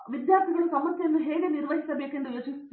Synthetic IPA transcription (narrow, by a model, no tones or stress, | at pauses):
ʋid̪jaːɾt̪ʰiɣɐɭsɐmɐsjɐnːuɦeːɡeniɾʋɐɦit̪ːɐbeːkːeɳɖɐlɐt͡ʃis